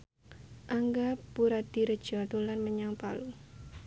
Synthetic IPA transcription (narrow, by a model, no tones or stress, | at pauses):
ʔaŋɡapuɾad̪̥i̤ɾəd̥ʒ̥ɔt̪ulanməɲaŋpalu